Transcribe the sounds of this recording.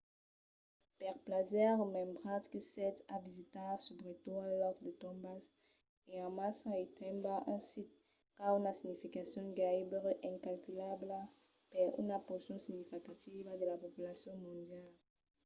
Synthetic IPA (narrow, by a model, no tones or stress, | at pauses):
pɛʁplazɛʁəmɛ̃mbʁãt̪kəsɛt̪avizit̪asubʁet̪uãlɔt̪d̪ət̪ɔ̃mbas | eãmasaet̪ʰɛ̃mbaʔɛ̃sit̪̚ | kaynasiɲifikasjɔ̃ɡaibʁeʔɛ̃kalkylabla | pɛʁy̰napɔsjɔ̃siɡɲifikat̪ivad̪əlapɔpylasjɔ̃mɔ̃nd̪jal